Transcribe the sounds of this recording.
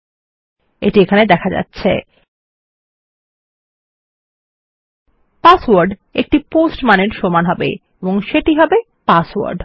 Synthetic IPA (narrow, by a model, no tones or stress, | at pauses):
ḛʈiekʰaned̪ɛkʰad͡ʑa̰tːɕʰḛ | paswaɾɖek̚ʈiposʈmaneɾʃomanɦɔbḛ | eboŋʃeʈiɦɔbe | paswa̰ɾɖ